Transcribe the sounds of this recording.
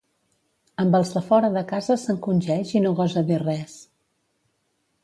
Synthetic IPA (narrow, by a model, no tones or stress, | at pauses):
əmbəlˠzðəfɔɾəðəkazəsəŋkunʲʒɛʒinoɣɔzəβerɛs